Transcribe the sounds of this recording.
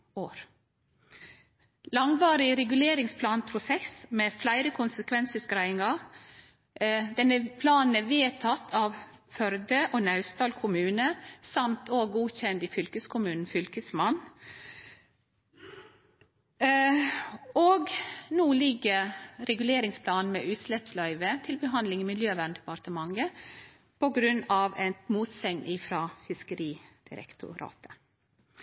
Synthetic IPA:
oːɾ | lɑŋʋɑːɾɪɾɛɡʉleːɾɪŋspʰlɑːnpʰɾʊsɛsmeːflæɪɾəkʰʊnsəkʰʋɛnsʉskɾæɪɪŋɑ | d̪ɛnːəpʰlɑːnn̩æːʋeːt̪ʰɑt̪ʰːɑːʋfœɾd̪əʔoːnɑʉst̪ɑːlkʰʊmʉːnəsɑmt̪ʰoːɡɡuːçɛnd̪iːfʏlkəskʰʊmʉːnn̩fʏlkəsmɑn | oːɡnuːlɪɡːəɾɛɡʉleːɾɪŋspʰlɑːnn̩meːʔʉːt̪slɛpslɑɪʋət̪ʰɪlbəɦɑnd̪lɪŋiːmɪljøːʋæɳd̪ɛpɑɾt̪əmɑŋə | pʰɔɡɾʉnːɑːʋɛmuːt̪sɛŋnʔiːfɾɑːfɪskəɾiːd̪̥ɪ̰ɾɛ̰kt̪ʰʊ̰ɾɑ̰ːt̪ʰə̥

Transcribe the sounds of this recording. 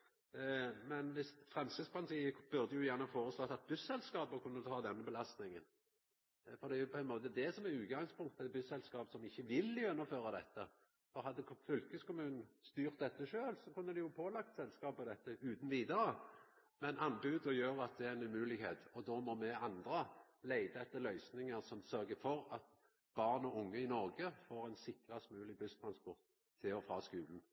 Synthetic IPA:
mɛnʋɪsfʁɛmsəspʰɑʁnt̪ʰiːəb̥ʉʁd̪əjʊjæʁnəɑfoːɾəslɔːt̪ːɑt̪̚bʉsːɛlskɑːpəkʰʉnːət̪ʰɑːd̪ɛnːəbəlɑst̪nɪŋən | fɔd̪ɛæjʊpʰɔɛnmoːt̪əd̪ɛsɔmɛʁʉːɡɑŋspʰʊŋkt̪ɛt̪̚bʉsːɛlskɑːpsɔmɪçːəʋɪljʊʉnːəføːʁɑd̪ɛ̰t̪ːə | fɔʁɦɑd̪ːəfʏlkəskʊmʉːnn̩st̪yːʁt̪̚d̪ɛt̪ːəʃøːlsɔkʰʉnːəd̪ɛjʊpʰoːlɑk̚t̪sɛlskɑːpəd̪ɛt̪ːəʉːt̪n̩ʋiːd̪ɑɾə | mɛnɑnːbʉːd̪ɔjøːɾɑt̪̚d̪ɛæɾɛnʉmʉːlɪɡhḛːt̪ɔd̪ɔmɔmɛɑnd̪ɾəleɪd̪əɛt̪ːəɾlœʏsnɪŋəɾsɔmsœɾɡəfɔɾɑt̪ | b̥ɑʁnɔʊŋːəɪnɔʁɡəfoːɾæɪnsɪkʁəɛsmʉːlɪbʉst̪ʰɾɑnspɔʁt̪ʰː | ɪlɔfɾɑːskʉːln̩

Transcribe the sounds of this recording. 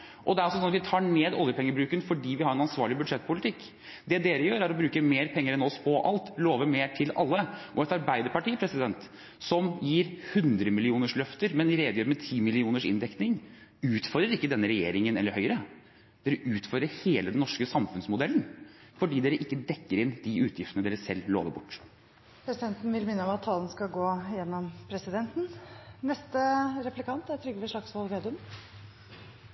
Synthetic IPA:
ʔɔd̪ɛæɾɔsɔsɔnɑt̪ʋɪt̪ʰɑːɳeːd̪ɔljəpʰɛŋːəbɾʉːkənfɔɖiːʋɪhɑɾɛnɑnsʋɑːɭɪbʉd̪ʂɛt̪̚ːpʊlɪt̪ʰɪkː | d̪ɛd̪eːɾəjøːɾæɾɔbɾʉːkəmeːɾpʰɛŋːəɾɛnɔspʰɔʔɑ̰lt̪loːʋəmeːʈʰɪlɑ̰lːəʔɔɛt̪ɑɾbæɪd̪əɾpɑʈiːəpʰɾɛsɪd̪ɛnt̪ | sɔmjiːɾhʉnd̪ɾəmɪlɪuːnəʂlœft̪əɾmɛnɾeːd̪əjøːɾmɛt̪ʰiːmɪlɪuːnəʂɪ̰nd̪ɛknɪŋʉːt̪fɔɾd̪ɾəɾɪkːəd̪ɛnːəɾɛjḛːɾɪŋənɛ̰lːəɾhœʏɾə | d̪̥eːɾəʔʉːt̪fœdɾəɾheːləd̪ɛnːɔʂkəsɑmfʉnsmʊd̪ɛlən̩ | fɔɖiːd̪eːɾəʔɪkːəd̪ɛkːəɾɪnd̪̥ɪʉːt̪ʰjɪft̪ənəd̪eːɾəsɛlːlo̰ːʋəɾbʊʈː | pʰɾɛsɪd̪ɛnt̪n̩ʋɪlmɪnːəɔmɑt̪ʰːɑːlənskɑɡoːjɛnːɔmpʰɾɛsɪd̪ɛnt̪n̩nɛst̪əɾɛplɪkɑnt̪æt̪ʰɾʏɡːəʋɛʂɭɑksʋɑlʋeːd̪ʉm

